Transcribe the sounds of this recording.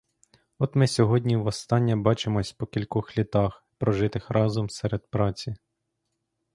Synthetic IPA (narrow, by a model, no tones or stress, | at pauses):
ɔt̪mɪsʲɔɦɔdʲnʲiwʋɔst̪ɑnʲːɐbɑt͡ʃemɔsʲpɔkʲilʲkɔxlʲit̪ɑx | pɾɔʒɪt̪ɪxɾʔɑzɔmsɛɾed̪̚pɾɑt͡sʲi